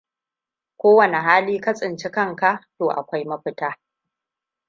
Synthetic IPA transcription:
kʷoː˦wɐ˨ne˨ɦaː˦liː˦ka˦sʼɪ˨nt͡ʃɪ˦kɐ˦ŋka˦ʔtoː˨ʔa̰˨kʷa˦jmɐ˦ɸɪ˦taː˦

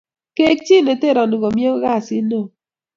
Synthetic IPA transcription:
ke˦k̚t͡ʃi˦˨ne˨te˦˨ɾɔ˨nu˨ɡo˨mje˦ɣa˦˨sɪ˦no˦˨

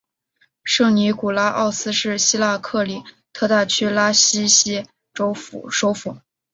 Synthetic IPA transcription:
ʂɤ˥˩ŋni˧˥ku˨˩la˥ʔɑ˥˩ʊsɹ̩˥ʂɻ̩˥˩ɕi˥la˥˧kʰɤ˥˩li˨˩˦ | t̪ʰɤ˥˧t̪a˥˩t͡ɕʰy˥la˥ɕi˥ɕi˥ | ʈ͡ʂo˥˨˩ʂo˧˥ʊfu˨˩˦

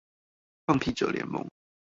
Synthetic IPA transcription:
ɑ˥˧ŋpʰi˥˨ʈ͡ʂə̰˨˩ljɛ̰˧˥nmo̰˧˥˦ŋ

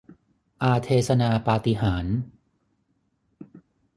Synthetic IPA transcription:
ʔaː˧t̪ʰeː˧sa˧naː˧paː˧t̪i˧ɦaː˩˦n

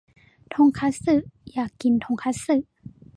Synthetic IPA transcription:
t̪ʰo˧˥ŋkʰa˧˥t̚sɯ˧˩ʔjaː˨˩kːi˨nt̪ʰo˧˥ŋkʰa˧˥sɯ˧˩˨ʔ

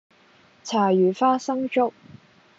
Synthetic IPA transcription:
t͡sʰaː˨˩jyː˨˩faː˥sɐ˥ŋt͡ʃʊ˥k̚

